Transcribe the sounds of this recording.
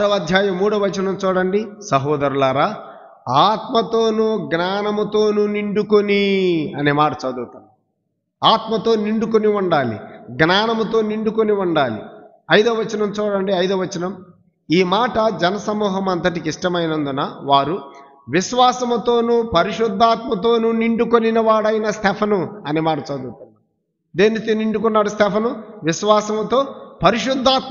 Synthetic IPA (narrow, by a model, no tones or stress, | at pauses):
ɾɐʋɐd̪ʱjaːjɐmːuːɽɐʋɐt͡ʃɐnɐmt͡ʃuːɽɐɳɖisɐɦɔːd̪ɐɾulɐɾaː | aːt̪mɐt̪o̞ːnuɡnaːnɐmɐt̪oːnuniɳɖukoniɐneːmaːʈɐt͡ʃɐd̪uːt̪un | aːt̪mɐt̪o̞ːniɳɖukoniuɳɖaːlḭɡnaːnɐmɐt̪o̞ːniɳɖukoniuɳɖaːlḭ | ɐjd̪oːʋɐt͡ʃɐnɐmt͡ʃuːɽɐɳɖiɐjd̪oːʋɐt͡ʃɐnɐm | iːmaːʈɐd͡ʒɛnɐsɐmuːɦɐmɐnt̪̬ɐʈikiʂʈɐmɐjinɐnd̪unɐʋaːɾu | ʋiʃʋaːsɐmut̪o̞ːnuːpɐɾiʂud̪ʱːaːt̪mɐt̪o̞ːnuːniɳɖukoninɐʋaːɽɐjnɐst̪ʰɛpʰɐnuɐnimaːɽut͡ʃɐd̪uːt̪und̪i | d̪eːnːit̪iniɳɖukunːaːɽust̪ɛpʰɐnuʋiʃʋaːsɐmt̪o̞ːpɐɾiʂud̪ʱːaːt̪̚